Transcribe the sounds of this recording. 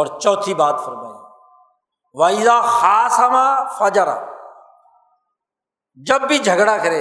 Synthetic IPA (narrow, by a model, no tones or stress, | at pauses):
ɔːɾt͡ʃɔːt̪ʰiːbaːt̪fʰəɾmaːa | ʋaːiːzaːhaːsaːmãːfaːd͡ʒaɾa̰ː | d͡ʒəbːiːd͡ʒʱəɡɽaːkʰəɾeː